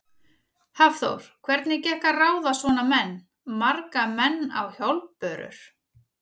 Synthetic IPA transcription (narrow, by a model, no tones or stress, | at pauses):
havθo̰wɾ̥kʰvɛɾt̪nɪcɛhkaraːwðasvɔːnamɛnː | maɾkamɛnːa̰wçjɔwlpœːɾʏ̰ɾ̥